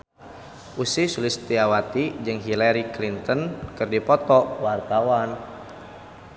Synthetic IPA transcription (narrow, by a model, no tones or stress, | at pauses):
ʔusisulɪst̪iawat̪id͡ʒɨŋɦilaɾiklint̪ənkɨrdipɔt̪ɔwart̪awan